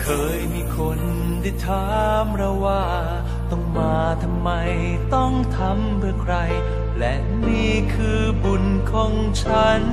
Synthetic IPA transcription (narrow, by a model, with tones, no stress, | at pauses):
kʰɤː˧jmiː˧kʰo˧n | da˥˩t̪ʰaː˨˧˦mɾa˧˥waː˥˧˩ | t̪ɔ˥˧˩ŋmaː˧t̪ʰa˧mːa˧j | t̪ɔ˥˩ŋt̪ʰa˧˥mpʰɯ˥˩ɐəkʰɾa˧j | lɛ˧˥ | niː˥˩kʰɯː˧ | bu˧˩nkʰɔ˧˩ŋt͡ɕʰa˦˥n